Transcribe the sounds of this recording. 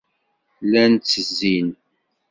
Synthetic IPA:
lænt͡sːəzːin

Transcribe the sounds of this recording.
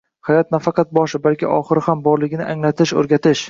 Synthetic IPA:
hajɒt̪̚nafɑqɑt̪̚bɒʃɪbalkʲɪ̰ʔɒχɨɾɪhambɒɾlɪɡʲɪnɪʔaŋlat̪ʰɪʃɵ̰ɾɡʲat̪ʰɪʃ

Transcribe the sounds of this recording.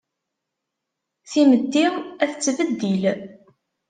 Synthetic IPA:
θiməd̪ːiæθət͡sːvəd̪ːil

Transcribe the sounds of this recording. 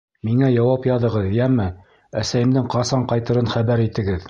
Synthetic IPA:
miŋæjɑwɑpjɑðɤ̆ʁɤðjæmːɘ | æsæjɘ̆md̪ɘŋqɑsɑɴqɑjt̪ɤ̆ɾɤnχæβæɾit̪ɘ̆ɡɘð

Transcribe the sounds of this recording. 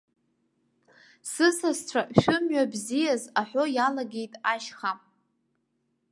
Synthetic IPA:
sɨsast͡ɕʷʰaʃᶣʊmɥabzijazaħʷojalaɡʲe̞jtʼaʃχa

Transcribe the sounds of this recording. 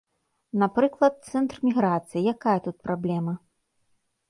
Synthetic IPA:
napɾɨklˠɐt̪̚t̪sɛnt̪rmʲiɣɾat̪sɨjijakajɐt̪ut̪̚pɾablʲɛmɐ

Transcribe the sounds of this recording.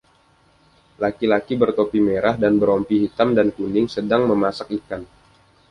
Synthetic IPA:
lakilakibərt̪opimeɾahdanbəɾɔmpiɦit̪amdankundɪŋsədaŋməmasak̚ikan

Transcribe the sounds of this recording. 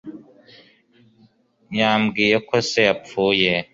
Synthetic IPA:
ɲamɡiːjekoseapp͡ffuje

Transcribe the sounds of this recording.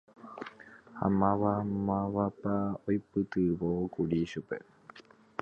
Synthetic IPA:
ha̰mãʋamaβapaojpɨt̪ɨβokuɾiʃupḛ

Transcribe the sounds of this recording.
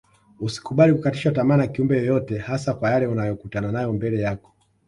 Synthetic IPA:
usi̥kuɓalikukatiʃatamanakiumbɛjɔjɔtɛhasakwajalɛunajɔkutananajɔmbɛlɛjakɔ̥

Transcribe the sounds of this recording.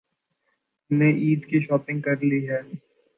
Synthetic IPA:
neʔiːd̪kiʃɔːpɪ̃ŋɡ̚kɐɾliɦɛː

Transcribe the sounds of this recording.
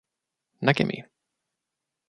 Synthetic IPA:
nakɛ̰mʔḭ

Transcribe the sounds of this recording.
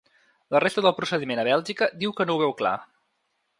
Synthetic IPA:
lərest̪əðəlˠpɾusəðimenəβɛlˠʒikəd̪iwkənouβɛwkla̰

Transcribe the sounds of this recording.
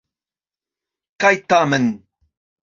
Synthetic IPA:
kajt̪amən

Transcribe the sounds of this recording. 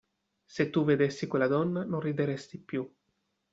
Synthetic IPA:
set̪ːuved̪esːikwelad̪ɔnːanonrid̪eɾest̪ipju

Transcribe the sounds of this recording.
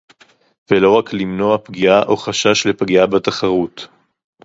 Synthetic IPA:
velo̞ʁaklimno̞apɡiaʔo̞χaʃaʃlepɡiabataχaʁut

